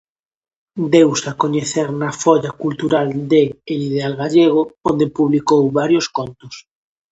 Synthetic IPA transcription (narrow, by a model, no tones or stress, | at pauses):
d̪ewsakoɲeθeɾnɐfɔʎakult̪uɾald̪eːlið̞ealɣaʎeɣ̞oond̪epuβlikowβaɾjoskont̪ʊs